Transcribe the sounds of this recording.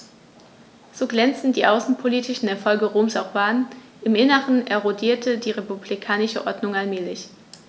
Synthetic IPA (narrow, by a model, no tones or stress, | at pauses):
z̥oːɡlɛnt͡stn̩diːʔaʊsn̩pʰoliːtɪʃn̩eɛɐfɔlɡəʁoːmsaʊχbaːn | ʔɪmʔɪnəʁəneɐʁodiːɐtʰədiːʁepublikʰaːnɪʃəʔɔɐdnʊŋalmɛːlɪç